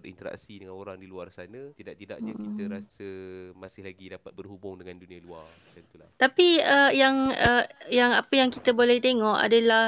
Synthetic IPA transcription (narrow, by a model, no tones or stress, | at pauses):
əḭnt̪əɾa̰ksidəŋanoɾaŋdiluarsanə̃t̪idaʔ̚t̪ida̰ʔakit̪əɾasəmasɪhlaɡidapat̪̚bərhubʊŋdəŋandunĩaluar | tant̪ula̰ht̪apiəjaŋəjaŋapəjaŋkit̪əbolɛht̪eŋɔʔa̰dalah